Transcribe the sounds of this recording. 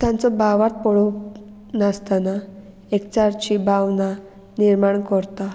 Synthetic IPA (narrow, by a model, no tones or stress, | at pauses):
t̪jãnt͡sɔbaʋat̪̚pɔɭu | nast̪ana | ekt͡ɕaɾt͡ɕibawna | niɾmaɳkɔɾt̪a